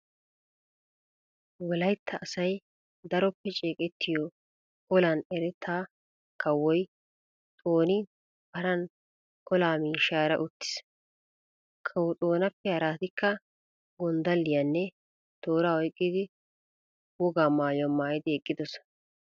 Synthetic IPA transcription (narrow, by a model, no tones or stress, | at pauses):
wɔlɐjt̪ʰːɐʔːsɐj | d̪ɐɾɔpːɛt͡ʃʼeːkʼɛt̪ːɪjɔ | kɔlanɛɾɛt̪ʰːaː | kʰɐwːɔj | t̪ʼoːnɪ | bɐɾɐn | kɔlaːmiːʃaːɾɐ̰ʔʊt̪ːɪ̥s | kʰɐwɔt̪ʼoːnɐpːɛhɐɾaːt̪ɪkːɐ | ɡɔnd̪ɐlːɪjɐnːɛ | d̪̥o̞ːɾaɔjkʼːɪd̪ɪ | wɔɡaːmaːjɔmːaːjɪd̪ɪɛkʼːɪd̪ɔs